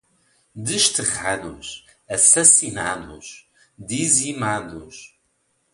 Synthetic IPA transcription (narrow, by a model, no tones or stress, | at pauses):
d̪ɨʃt̪ɨʁaðṵʃ | ɐsɐsinaðuʃ | d̪izimaðuʃ